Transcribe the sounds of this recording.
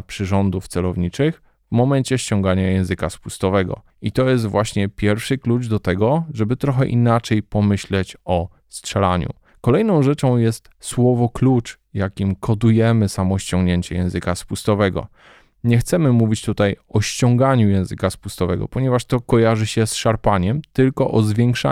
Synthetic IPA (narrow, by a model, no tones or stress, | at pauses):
pʂɘʐɔnd̪uft̪sɛlɔvɲit͡ʂɘx | vmɔmɛɲt͡ɕɛɕt͡ɕɔ̃ŋɡaɲajɛ̃w̃zɘkaspust̪ɔvɛɡɔ̰ | it̪ɔjɛs̬t̪vwʔaɕɲɛpʲjɛɾfʂɘklud͡ʐd̪ɔt̪ɛɡɔʐɛbɘt̪ɾɔxɛʔinat͡ʂɛjpɔmɘɕlɛt͡ɕɔ | stʂɛlaɲṵ | kɔlɛjnɔ̃w̃ʐɛt͡ʂɔ̃w̃jɛst̪swɔvɔklut͡ʂ | jakʲimkʰɔd̪ujɛmɘsamɔɕt͡ɕɔŋɡɲeɲt͡ɕɛjɛ̃w̃zɘkaspust̪ɔvɛɡɔ̰ | ɲɛxt̪sɛmɘmuvʲit͡ɕt̪ut̪ajɔɕt͡ɕɔŋɡaɲujɛ̃w̃zɘkaspust̪ɔvɛɡɔ̰pɔɲɛvaʂt̪ɔkɔjaʐɘɕɛsʂaɾpaɲɛmt̪ɘlkɔʔɔzvʲjɛŋkʂa̰